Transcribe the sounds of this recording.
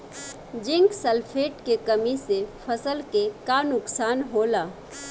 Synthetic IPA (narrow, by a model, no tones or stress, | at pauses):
d͡ʒɪ̃ŋksəlpʰeːʈkekəmisepʰəsəlkekanʊksaːnɦoːlaː